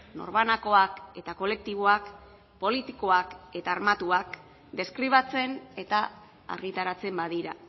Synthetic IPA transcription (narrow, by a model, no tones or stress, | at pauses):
no̞̰ɾβanako̞ake̞t̪ako̞le̞k̚t̪iβ̞o̞ak | po̞lit̪iko̞ake̞t̪aːɾmat̪uak | d̪e̞skɾiβ̞at͡se̞ne̞t̪a | a̰ɾɣit̪aɾat͡se̞mbaðiɾa